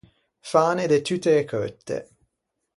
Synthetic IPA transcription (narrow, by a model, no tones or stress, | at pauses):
faːned̪et̪yt̪ːeːkʰøt̪ːḛ